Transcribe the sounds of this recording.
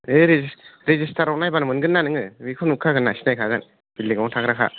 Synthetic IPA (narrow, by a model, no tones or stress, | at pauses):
eɾezisɾezistʰaɾɔwnajbanɯmɯnɡɯnːanɯŋɯbikʰɔnukʰaɡɯnːasi̥najkʰaɡɯn | b̥ilːiɡawtʰakɾakʰa̰